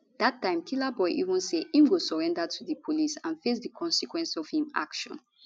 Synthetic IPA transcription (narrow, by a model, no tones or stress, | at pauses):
datːãɪ̃mkʰilabɔɪʔḭvɔ̃nsehĩmɡosɔɹɛ̃ndatʰuðəpʰolisãnfes̬dəkʰɔ̃nsikwɛ̃nsɔv̥hĩma̰kʃɔ̰̃n